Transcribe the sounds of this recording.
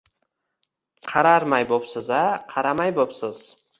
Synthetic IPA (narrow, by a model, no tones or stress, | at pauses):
qʰɑɾaɾmajbopsɪzaqʰɑɾamajbopsɪz̥